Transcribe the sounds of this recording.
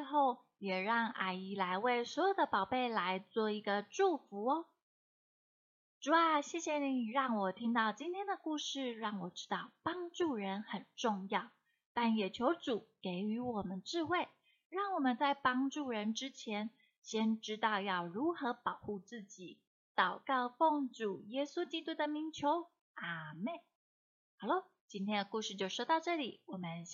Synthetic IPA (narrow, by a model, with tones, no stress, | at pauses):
xo˥˩ʊ | jɛ˨˩ɻɑ˥˩ŋʔa̰˨˥˩ɪi˧˥la˧˥ɪwe˥˩ɪswɔ˧˥jo˨˩ʊd̪ə˦pɑ˨˩ʊpe˥˩ɪla˧˥ɪt͡swɔ˥˩i˧˥ɡə˧ʈ͡ʂu˥˩fu˧˥ɔ˧˦ | ʈ͡ʂu˨˩a˨˧˩ɕjɛ˥˩ɕjɛ˨˩ni˧˥˨ɻɑ˥˩ŋwɔ˨˩t̪ʰi˥ŋt̪ɑ˥˧ʊt͡ɕi˥nt̪ʰjɛ˥nd̪ə˨ku˥˧ʂɻ̩˥˧ɻɑ˥˩ŋwɔ˨˩ʈ͡ʂɻ̩˥t̪ɑ˥˩ʊpɑ˥ŋʈ͡ʂu˥˩ɻə˧˦˥nxə˨˩nʈ͡ʂʊ˥˧ŋjɑ˥˩ʊ | t̪a˥˩njɛ˨˩t͡ɕʰjo˧˥ʊʈ͡ʂu˨˩˦ke˧˥ɪy˧˥wɔ˨˩mə˦nʈ͡ʂɻ̩˥˧xwe˥˩ɪ | ɻɑ˥˩ŋwɔ˨˩mə˧˦nt͡sa˥˩ɪpɑ˥ŋʈ͡ʂu˥˩ɻə˧˥nʈ͡ʂɻ̩˥t͡ɕʰjɛ˧˥n | ɕjɛ˥nʈ͡ʂɻ̩˥t̪ɑ˥˧ʊjɑ˥˩ʊɻu˧˥xɤ˧˥pɑ˨˩ʊxu˥˧t͡sɹ̩˥˩t͡ɕi˨˩˦ | t̪ɑ˨˩ʊkɑ˥˧ʊfɔ˥˩ŋʈ͡ʂu˨˩jɛ˥su˥t͡ɕi˥t̪u˥d̪ə˨mi˧˥ŋt͡ɕʰjo˧˥ʊ | a˨˩mɛ˥˩n | xɑ˨˩ʊlo˥˩ | t͡ɕi˥nt̪ʰjɛ˥nd̪ə˨ku˥˧ʂɻ̩˥˧t͡ɕjo˥˧ʊʂo˥t̪ɑ˥˧ʊʈ͡ʂɤ˥˩li˨˩˦wɔ˨˩mə˦n